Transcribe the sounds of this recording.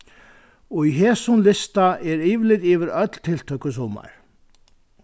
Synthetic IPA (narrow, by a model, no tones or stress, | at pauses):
ɔiɦɛːsʊnlɪst̪aɛɾiːʋɪlɪt̪iːʋɪɾœt̪l̥t̪ʰɪl̥t̪ʰœkʏsɔːma̰ɹ̥